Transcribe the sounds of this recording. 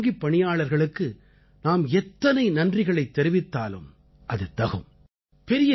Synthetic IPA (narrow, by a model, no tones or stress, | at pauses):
ɡipːɐɳɪjaːɭɐɾɣɐɭɯkːɯ | naːmɛt̪ːɐnɐɪnɐndrɪɣɐɭɐɪt̪ːɛɾɪʋɪt̪ːaːlɯ̰m | ʔɐðɯt̪ɐɣɯ̰m | pɛɾɪjɐ